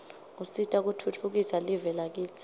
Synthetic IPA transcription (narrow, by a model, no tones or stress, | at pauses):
usitʼak̬utʰutʰuk̬isalivɛlak̬ʼiːt͡sʰʼ